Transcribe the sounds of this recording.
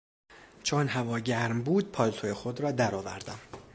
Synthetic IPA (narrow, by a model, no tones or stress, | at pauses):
t͡ʃʰonɦævɒːɟæɾmbuːd̪̚pʰɒːlt̪ʰojexod̪ɾɒːd̪æɾɒːvæ̰ɾd̪æm